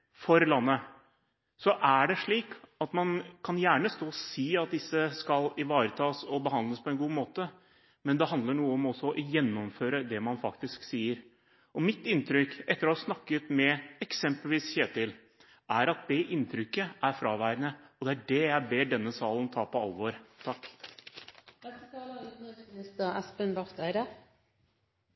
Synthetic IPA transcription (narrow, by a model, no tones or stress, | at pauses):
fɔɾlɑnːə | sɔʔæɖɛʂɭiːkɑt̪mɑnkʰɑnjæːɳəst̪oːsiːɑt̪̚d̪ɪsːəskɑlɪʋɑːɾət̪ʰɑːsɔbəɦɑnd̪ləspʰɔɛnɡuːmoːt̪ə | mɛnd̪ɛɦɑnd̪ləɳuːəɔmɔsːɔɔʔjɛnːɔmføːɾəd̪ɛmɑnfɑkt̪ɪsksiːəɾ | ɔmɪt̪ɪnt̪ʰɾʏkɛt̪ːəɾɔhɑsnɑkːət̪mɛɛksɛmpəlʋiːsçeːt̪ɪl | æɾɑt̪̚d̪ɛʔɪnt̪ʰɾʏkːəʔæɾfɾɑːʋæːɾənəɔd̪ɛæɖɛjæɪbeːɖɛnːəsɑːlənt̪ʰɑːpɔɑlʋoːɾt̪ʰɑkː | d̪ɛt̪ət̪ɑːlənəsnɪst̪əʁæspənbɑʁt̪ʰæɪɾə